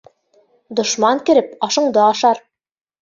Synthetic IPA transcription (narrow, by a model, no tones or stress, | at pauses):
d̪ŏʃmɑŋkɘ̆ɾɘp̚ɑʃɤ̆ɴd̪ɤɑʃɑɾ